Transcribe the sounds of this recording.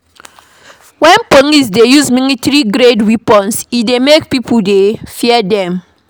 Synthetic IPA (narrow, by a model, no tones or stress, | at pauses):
wɛ̃npoŋisdejuzminitɾiɡɾedwipɔ̃nsidemekpipudefiɛdɛ̃m